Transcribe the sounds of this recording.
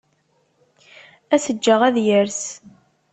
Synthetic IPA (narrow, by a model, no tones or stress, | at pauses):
æsəd͡ʒːəʁæðjəɾs